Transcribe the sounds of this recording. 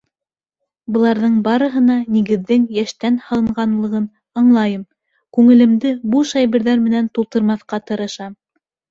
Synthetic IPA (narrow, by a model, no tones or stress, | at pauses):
bɤ̆lˠɑɾðɤɴbɑɾɤ̆ɦɤ̆nɑniɡɘ̆ðːɘŋjæʃt̪ænhɑlˠɤ̆ɴɢɑnlˠɤ̆ʁɤn | ɑɴlˠɑjɤm | kʉŋɘ̆lɘ̆md̪ɘbuʃɑjβɘ̆ɾðæɾmɘ̆nænt̪ulˠt̪ɤ̆ɾmɑθqɑt̪ɤ̆ɾɤ̆ʃɑm